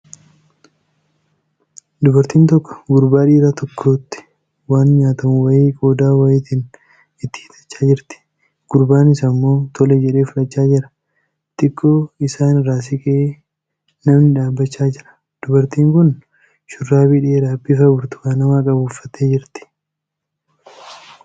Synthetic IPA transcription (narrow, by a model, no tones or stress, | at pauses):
d̪ʊbɐɾt̪iːnt̪ɔkːɔ̥ɡʊɾbaːᶑiːɾat̪ɔkʰːoːt̪ːɪ̥ | waːnɲaːt̪ɐmʊwɐjeːkʼo̞ːd̪aːwɐjeːt̪iːn | ɪt̪ːɪ̥hɪt̪ʼɐ̥t͡ʃːaːd͡ʒɪɾt̪ɪ̥ | ɡ̥ʊɾbaːnɪsɐmːo̞ːt̪ʰɔlɛd͡ʒɛᶑe̞ːfʊlɐt͡ʃːaːd͡ʒɪɾɐ̥ | t̪ɪkʰːoːɪsaːnɪɾaːs̬ɪkʼeː | nɐmnɪᶑaːbːɐt͡ʃːaːd͡ʒɪɾɐ̥ | d̪̥ʊbɐɾt̪iːŋkʊn | ʃʊrːaːbɪᶑeːɾaːbːɪfɐɡʊɾt̪ʊ̥waːnɐmaːkʼɐbʊːfːɐt̪ːeːd͡ʒɪɾt̪ɪ̥